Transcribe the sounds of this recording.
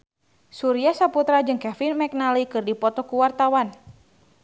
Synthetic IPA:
suɾiasaput̪ɾad͡ʒɨŋkɛfinmɛk̚nalikɨrdipɔt̪ɔkuwart̪awan

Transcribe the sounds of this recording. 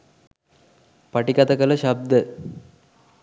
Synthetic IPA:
pɐʈikɐt̪ɐkɐlɐʃɐb̚d̪ə

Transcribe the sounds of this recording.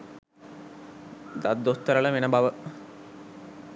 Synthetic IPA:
d̪ad̪ːost̪ːəɾɐɭəʋenəbaʋə

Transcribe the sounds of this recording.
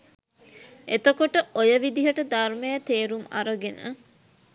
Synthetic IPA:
et̪əkoʈəojəʋid̪iɦəʈəd̪armejət̪eːɾuma̰ɾəɡenə̰

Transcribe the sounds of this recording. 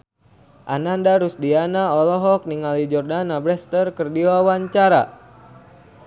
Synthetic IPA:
ʔanandaɾusdianaɔlɔɦɔk̚niŋalid͡ʒɔrdanabɾɛst̪ərkərdiwawaɲt͡ʃaɾa

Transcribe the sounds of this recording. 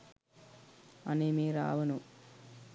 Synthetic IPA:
ɐnemiːɾa̰ːʋɐnu

